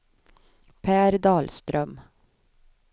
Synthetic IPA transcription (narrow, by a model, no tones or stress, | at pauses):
pʰæːɾd̪ɑːlst̪ɾœm